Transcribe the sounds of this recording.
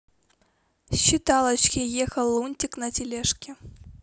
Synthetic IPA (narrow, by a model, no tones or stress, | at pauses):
ɕit̪ɑlˠɐt͡ɕkʲijexəlˠunʲt̪ʲiknɐt̪ʲɪlʲeʂkʲɪ